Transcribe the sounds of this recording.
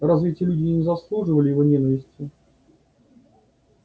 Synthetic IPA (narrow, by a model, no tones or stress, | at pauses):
rɐzvʲitʲɪjəlʲudʲejnʲɪzɐslˠuʐɨvəlʲɪjɪvo̞nʲenəvʲɪsʲtʲɪ